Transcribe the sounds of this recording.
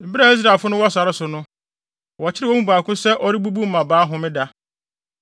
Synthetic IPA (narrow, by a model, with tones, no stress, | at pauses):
m̩˨bi˦ɾa˨i˦s̬ɾa˨e˨lfʊ˦nʊ̃˦wɔ˦sa˨ɾɪ˦sʊ˨nʊ̃˦ | wɔ˨t͡ɕʰɪ˦ɾɪ˦wo˦mũ˦ba˨kʊ̃˦sɛ˦ʔɔ˦ɾi˦bu˦bu˦m̩˦mã˨baː˨˦ɦʊ̃˨mɪ̃˦da˦